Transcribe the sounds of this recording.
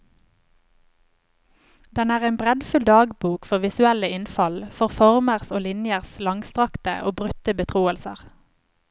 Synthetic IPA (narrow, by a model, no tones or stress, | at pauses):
d̪ɛnæːʁeːnbʁɛd̪fʉld̪ɑːɡbuːkfɔʁʋɪsʉɛləɪnfɑlfɔʁfɔʁməʁsoːlɪnjəʁslɑŋst̪ʁɑkt̪ə̰ʔoːbʁʉt̪əbət̪ʰʁuːəlsə̰ʁ